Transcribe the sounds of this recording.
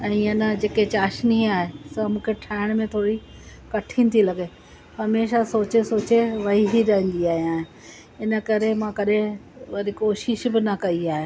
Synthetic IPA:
ɛ̃ːɐnəd͡ʑeːket͡ɕaːʃniaːɦesɐmũːkʰeʈʰaːɪɽ̃mẽt̪ʰoːɾi | kɐʈʰĩnɪ̆t̪ʰilɐɡe | ɦɐmeːʃasoːt͡ɕesoːt͡ɕeʋɐɦiɦiɾɐɦə̃n̆d̪iaːɦiaːɦɪ̃ | ɪnə̆kɐɾemãkɐɗẽʋɐɾikoːʃɪʃbɪnɐkɐiaːɦe

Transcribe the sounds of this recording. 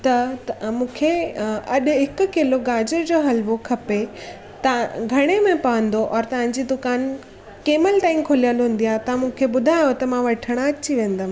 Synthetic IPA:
t̪ɐmũːkʰeɐɗ̆ɦɪkʊ̆kɪloɡaːd͡ʑəɾd͡ʑoːɦɐlʋokʰɐpe | t̪ɐɡʱɐɽ̃emẽpɐʋə̃nd̪oʔɔːɾt̪ɐʋ̤ãɲ̆d͡ʑid̪ʊkaːn | keːməlʈaːɪĩkʰʊlijəlɦũːn̆d̪ijat̪ɐ̃mũːkʰeɓʊd̪ʱaːjot̪ɐmãʋɐʈʰəɽ̃aɐt͡ɕiʋẽːn̆d̪ãː

